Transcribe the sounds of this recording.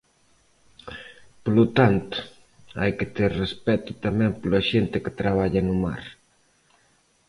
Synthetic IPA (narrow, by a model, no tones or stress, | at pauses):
polut̪ant̪ʊ̥ | a̰jket̪eɾrespɛt̪u̥t̪amɛ̃mplɐʃent̪ɪkɪ̥t̪ɾaβ̞aʎɐnuma̰ɾ